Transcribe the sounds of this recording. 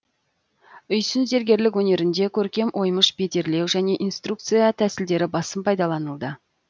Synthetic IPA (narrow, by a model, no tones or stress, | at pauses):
ʏjsʏnze̞ɾɡʲe̞ɾlɪk̬wɵne̞ɾɪnd̪e̞kʲʰɵɾkʲe̞mʔo̞jməʃbe̞d̪e̞ɾle̞wʒæne̞ʔijnst̪ruk̚t̪sɨjɑt̪ʰæsɪld̪e̞ɾɪbɑsəmpʰɑjd̪ɑlˠɑnəlˠd̪ə